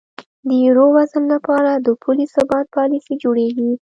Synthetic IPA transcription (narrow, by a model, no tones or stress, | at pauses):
d̪əjiɾowazənlapɑɾad̪əpʰulisabɑt̪̚pɑlisid͡ʒoɽeɡi